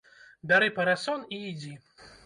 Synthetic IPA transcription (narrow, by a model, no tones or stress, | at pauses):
d̪aɾɨpɐɾasɔniːd͡zʲi